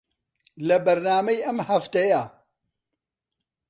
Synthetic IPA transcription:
lɐbɐɾnaːmɐjʔɐmhɐft̪ɐja

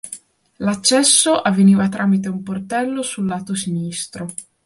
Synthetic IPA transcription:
lat͡ʃːɛsːoʔavːeniːvat̪ɾʔaːmit̪̬eumport̪ɛlːosulːaːt̪osinist̪ɾo

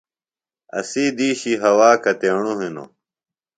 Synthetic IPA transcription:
ɐ̰siːd̪iːɕiɦɐwaːkɐt̪eɳuɦino̰

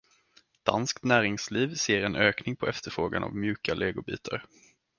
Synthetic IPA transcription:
d̪̥a̰nskt̪næːɾɪŋsliːvseːɾɛnøːknɪŋpʰɔʔɛft̪əɾfɾoːɡa̰na̰vmjʉ̟ːkalʔɛːɡʊbḭːt̪ʰa̰ɾ

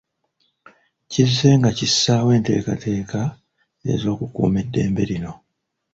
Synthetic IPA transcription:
cizːe̞ːŋɡacisːaːwe̞ːnte̞̰ːka̰tʰe̞ːka | e̞̰zo̞ːkukṵːme̞dːe̞ːmbeɾino̞

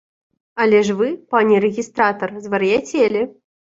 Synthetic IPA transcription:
ɐlʲɛʂvɨpanʲiɾɛɣʲist̪ɾat̪ɐrzvɐɾɨjat͡sʲelʲi

